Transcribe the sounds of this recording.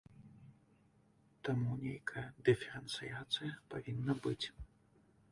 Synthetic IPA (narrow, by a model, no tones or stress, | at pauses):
t̪amunʲejkʰɐjɐd̪ɨfʲɛɾɛnt̪sɨjat̪sɨjɐpavʲinːɐbɨt͡sʲ